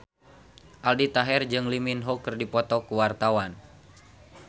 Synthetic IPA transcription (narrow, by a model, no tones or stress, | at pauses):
ʔaldit̪aɦɛrd͡ʒɨŋliminɦɔkɨrdipɔt̪ɔkuwart̪awan